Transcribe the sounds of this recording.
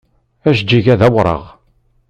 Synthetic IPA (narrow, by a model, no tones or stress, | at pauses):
æʃd͡ʒːiʝæðæwɾˤə̰ʁ